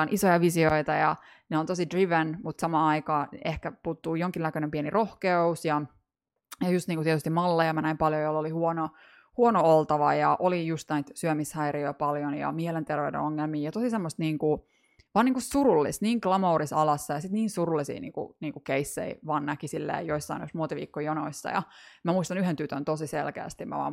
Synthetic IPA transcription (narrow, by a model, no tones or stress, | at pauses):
onʔisojɑʋisioit̪ɑjɑ | neont̪osidriʋenmut̪sɑmɑːɑikɑːehkæpuːt̪ːuːjoŋkinækønempienirohkeusjɑ | jɑjust̪niːŋkut̪ieɛt̪yst̪imɑlːejɑmænæimpɑljojolːolihuono | huonoolt̪ɑʋɑjɑʔolijust̪næit̪syømishæiriøpɑljonjɑ̰miɛlent̪erʋeudḛnoŋːelmiːjɑt̪osisemːost̪niːŋku | ʋɑːniːŋkussurulːḭst̪niːŋklɑmoːɾisɑlɑsːɑjɑsit̪niːnsurulːisḭːnḭːŋkṵniːŋkukeisːḛiʋɑnːɑkisilːæ̰joisːɑ̰inoosmuot̪iʋḭːkːojonoisːɑ̰jɑ̰mæmuist̪ɑnyhent̪yt̪ønt̪osiselkḛːst̪immæ̰ʋɑ̰m